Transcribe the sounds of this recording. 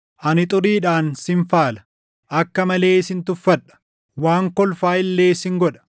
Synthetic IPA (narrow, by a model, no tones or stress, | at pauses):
ʔɐnɪt̪ʼʊɾiːᶑaːnsɪɱfaːlɐ̥ | ʔɐkːɐmɐle̞ːɪsɪnt̪ʊfːɐᶑɐ̥ | waːŋkɔlfaːɪlːe̞ːsɪŋɡɔᶑɐ̥